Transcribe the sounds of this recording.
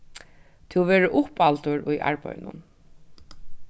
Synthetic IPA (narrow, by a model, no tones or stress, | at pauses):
t̪ʰɪʋeːɹəʔʊpalt̪ʊɹʊjʔa̰ɹpœ̰j̰nʊ̰n